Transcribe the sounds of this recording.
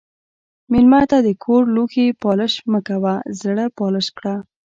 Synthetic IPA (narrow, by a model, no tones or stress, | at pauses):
milmat̪ad̪əkʰoɾluxepɑləʃməkawazɽapɑləʃkɽa